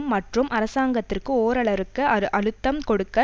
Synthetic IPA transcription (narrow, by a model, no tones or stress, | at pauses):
mːɐʈrɯmʔɐɾɐsaːŋɡɐt̪ːɪrkːɯoːɾɐɭɐɾɯkːɯɐɾɯʔɐɭɯt̪ːɐmkɔɽɯkːɐ